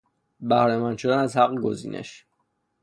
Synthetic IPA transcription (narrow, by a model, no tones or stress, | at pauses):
bæhɾemænt͡ʃʰod̪ænæzhæɣɡo̰zḭːnʔḛʃ